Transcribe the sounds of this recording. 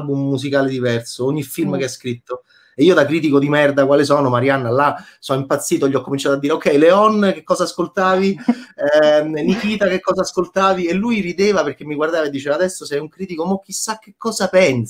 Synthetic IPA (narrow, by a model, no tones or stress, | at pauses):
lbumːuzikaːled̪ivɛrsooɲːifilmkeaskɾit̪ːo | eiːod̪akɾiːt̪̬ikod̪imɛrd̪akwaːles̬ɔːnomaɾjanːala | sɔnimpat̪sːiːt̪oʎːiɔkːomint͡ʃat̪oad̪ːiɾeokːɛjleɔnk̟ekːɔːzaːskolt̪aːvi | nik̟iːt̪akekːɔːzaːskolt̪aːvielːujrid̪eːvaperk̟ːemːiɡward̪aːvaed̪ːit͡ʃeːvad̪ɛsːosɛjuŋkɾiːt̪ikomok̟ːisːak̟ːekːɔːzapɛns